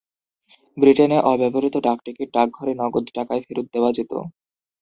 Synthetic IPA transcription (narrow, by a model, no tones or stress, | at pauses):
bɾiʈeneʔɔbɛboɾit̪oɖakʈikeʈak̚ɡʱɔɾenɔɡod̪ʈakaefiɾut̪̚d̪eoad͡ʑit̪o̰